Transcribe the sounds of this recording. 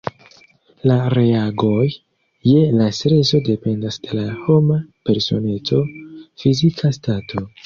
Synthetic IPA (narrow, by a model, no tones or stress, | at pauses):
laɾe̞aɡo̞jː | e̞lastɾe̞so̞de̞pe̞ndasd̥e̞laho̞mape̞ɾso̞̰ne̞t͡so̞fizikʰastatʰo̞